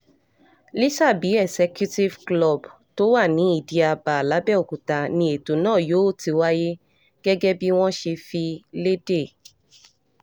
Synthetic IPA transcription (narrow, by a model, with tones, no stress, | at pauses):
li˦ʃa˦˨bi˨˦ɛ˦˨sɛ˧kju˦ti˦vklɔ˦˨b | to˦wa˦˨nĩ˨˦i˦˨di˧a˧ba˨la˨˦bɛ˦˨o˨ku˨ta˧nĩ˧e˨to˨˦nãː˦˨jo˨˦o˦˨ti˧wa˦je˦ | ɡ̥ɛ˦ɡɛ˦bi˦w̃ɔ̃˦ʃe˧fi˧le˦de˦˨